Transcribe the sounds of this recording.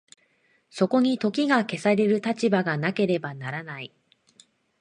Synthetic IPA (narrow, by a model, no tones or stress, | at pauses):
so̞ko̞ɲ̟it̪o̞kʲiɡake̞saɾe̞ɾɯ̟t̪at͡ɕibaɡanake̞ɾe̞banaɾanai